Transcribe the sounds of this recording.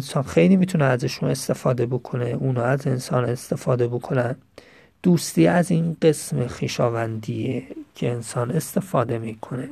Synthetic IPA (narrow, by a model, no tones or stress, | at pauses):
ensɒːnxejliːmiːt̪ʰuneæzeʃuːne̞st̪e̞fɒːd̪e̞bo̞kʰo̞neuːnɒːæze̞nsɒːne̞st̪e̞fɒːd̪e̞bo̞kʰo̞næn | d̪̥uːst̪iːæziːnɢe̞smexiːʃɒːvænd̪iːecʰeːnsɒːne̞st̪e̞fɒːd̪e̞miːkʰo̞ne̞